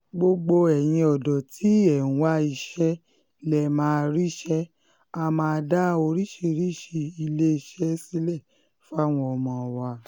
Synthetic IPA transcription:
ɡ͡bo˧ɡ͡bo˧ɛ˨j̃ĩ˧ɔ˨dɔ˨tʰi˨˦ɛ˨ũ˨˦wa˦i˧ʃɛ˦ | lɛ˨mãː˨˦˧ɾi˦ʃɛ˦ | a˧mãː˧da˦o˧ɾi˦ʃi˧ɾi˦˨ʃi˧i˧le˦i˧˨ʃɛ˦si˦lɛ˦˨ | fa˦˨w̃ɔ̃˧ɔ˧mɔ̃˧˨wa˧˨

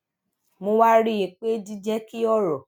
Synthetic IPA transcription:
mõ˧wa˦ɾi˦je˨k͡pe˦di˦d͡ʒɛ˦ki˦ɔ˦ɾɔ˨

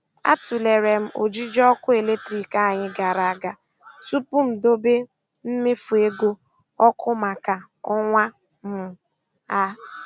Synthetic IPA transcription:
a̰˦tu˨le˨ɾe˨m̩˦ʔo̰˨d͡ʒi˦d͡ʒɔ˦kʊ˦e˨le˦tɾi˨ka˦˨ɲɪ˦ɡa˨ɾa˨a˨ɡa˨ | tu˦pu˦m̩˨do˦be˦ | m̩˦mɪ˦fu˨e˦ɡo˦ | ɔ˦kʊ˦ma˨ka˨ | ɔ˦ŋʷa˦ | m̩˦ | a˦

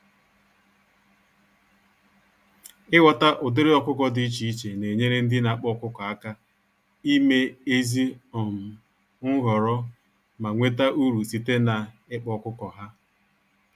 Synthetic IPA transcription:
ɪ˦wɔ˨ta˦ʔʊ˨dɪ˦ɾɪ˦ɔ˨kʷʊ˦kɔ˨dɪ˨i˦t͡ʃi˨i˦t͡ʃe˨ne˨ɲe˦ɾe˦n̩˦dɪ˦na˨˦˨k͡pɔ˦˨kʊ˦kɔ˨a˦ka˦ | i˦me˦e˦zi˦ɔ˨m̩˨ | ŋ̩˦ɣɔ˨ɾɔ˦ | ma˨ŋʷe˦ta˦ʔu˦ɾu˨si˦te˦na˨ | ɪ˦k͡pɔ˨˦kʊ˦kɔ˨ɦa˦

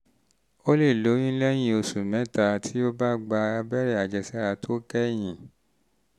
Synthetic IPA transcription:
o˦le˦˨lo˨˦j̃ĩ˦lɛ˦j̃ĩ˧o˧su˨mɛ̃˨˦ta˧tʰi˦o˦ba˦ɡ͡ba˧bɛ˦ɾɛ˦˨a˨d͡ʒɛ˧˨sɛ˦ɾa˧tʰo˦kɛ˦j̃ĩ˨

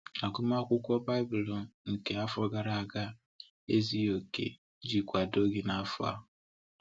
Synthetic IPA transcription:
a˨ɡʊ˦m˦a˦kʷʊ˦kʷɔ˦ba˦ɪ˦bʊ˨lɔ˨nŋ̩˨ke˨a˦fɔ˦ɡa˨ɾa˨a˨ɡa˦ | e˦zi˦o˨kḛ˨ | d͡ʒi˨kʷa˨do˦ɡɪ˨na˦fʊ˦a̰˦

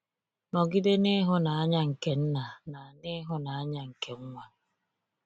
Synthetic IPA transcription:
nɔ˨ɡɪ˦de˦ne˦ɦʊ˦na˨a˦ɲa˦ŋ̩˨ke˨n̩˦na˨na˨nɪ˦ɦʊ˦na˨a˦ɲa˦ŋ̩˨ke˨ŋ̩˦ŋʷa˨˦

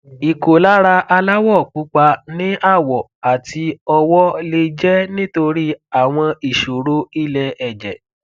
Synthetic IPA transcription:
i˨ko˨la˦ɾa˧ʔa˧la˦wɔ˦˨k͡pu˨˦k͡pa˧nĩ˦ʔa˦˨wɔ˨ | a˨tʰi˧ɔ˧wɔ˦le˧d͡ʒɛ˦nĩ˦to˧ɾi˦a˦˨w̃ɔ̃˧i˨ʃo˨ɾo˦i˦˨lɛ˧ɛ˨d͡ʒɛ˨

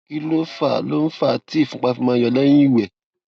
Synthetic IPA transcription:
i˧lo˦fa˦˨lo˦n̩˦fa˦˨ti˦˨fũ˨˦k͡pa˧fĩ˧mãː˧jɔ˧˨lɛ˦j̃ĩ˦˨wɛ˨

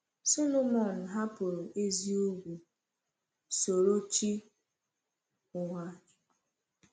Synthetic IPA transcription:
so˦lo˦mɔ˨n̩˨ɦa˦pʊ˨ɾo˨ʔe˦zi˦o˦ɡʷu˨ | so˨ɾo˦t͡ʃi˦ | ʊ˨ŋʷa˦˨˦

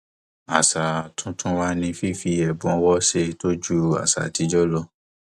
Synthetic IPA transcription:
a˨sa˨tũ˧˦tʰũ˦wa˧˦nĩ˧fi˦fi˧ɛ˨bũ˨˦ɔ˧wɔ˦ʃe˧to˦d͡ʒu˦a̰˨sa̰˨ti˨˧˦d͡ʒɔ˦lɔ˦

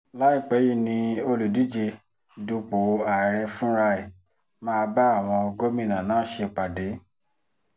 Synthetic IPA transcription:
la˨˦i˦˨k͡pɛ˨˦ji˦˨nĩ˧o˧lu˨di˨˦d͡ʒe˧˦ | du˧k͡po˨˦a˨ɾɛ˧fũ˦ɾa˧e˨ | mãː˧ba˦a˦˨w̃ɔ̃˧ɡo˦mĩ˦˨nã˨nãː˨˦ʃe˧k͡pa˨de˨˦

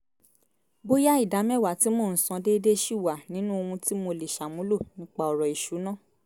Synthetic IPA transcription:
bo˦ja˦i˦˨da˨˦m˦ɛ˦˨wa˨ti˨˦mo˦˨n̩˨sã˧de˦de˦ʃi˦˨wa˨nĩ˨˦nũ˦o˧ũ˧ti˦mo˧le˨ʃa˨mũ˨˦lo˦˨nĩ˨˦k͡pa˦ɔ˨ɾɔ˨i˨ʃu˨˦nã˦˨

